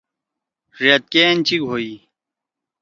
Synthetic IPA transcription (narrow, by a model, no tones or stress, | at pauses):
ʐɐt̪̚keːnt͡ɕiɡʱoi